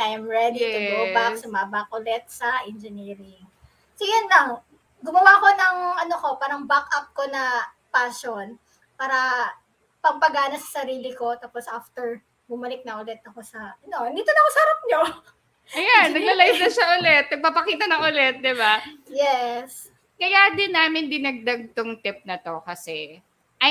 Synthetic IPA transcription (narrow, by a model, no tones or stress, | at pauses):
t̪ajmɹɛd̪it̪ʊdobasɐmabak̚ʔʊlɛt̪̚sɐʔɛnd͡ʒɛniːɾɪŋ | sojʊnlɐŋ | ɡʊmɐwako̞nɐŋʔɐnoko̞paːɾɐŋbakʔɐp̚ko̞nɐ | paʃon | paːɾɐ | pɐŋpɐɡaːnɐsɐ̥sɐɾiːlɪko̞t̪aːposʔaft̪ɛɹ | bʊmɐlɪk̚nɐʔʊlɛt̪̚ɐko̞sɐʔɐnond̪iːt̪onɐkosɐhɐɾap̚ɲo | ʔɐjanːɐɡ̚lɐlɐjɪnɐʃaʔʊlɛt̪̚nɐɡ̚papɐkiːt̪ɐnɐŋʔʊlɛt̪̚d̪ɪbajɛs | kɐjad̪ɪnːaːmɪnd̪ɪnɐɡ̚d̪ɐɡ̚t̪oŋt̪ɪp̚nɐt̪o̞kɐsɛ | ʔɐ